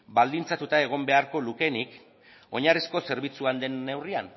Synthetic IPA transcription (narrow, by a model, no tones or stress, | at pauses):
bald̪int͡sat̪ut̪ae̞ɣ̞o̞mbe̞aɾko̞luke̞nik | o̞ɲarisko̞se̞ɾβ̞it͡suand̪e̞nːe̞wrian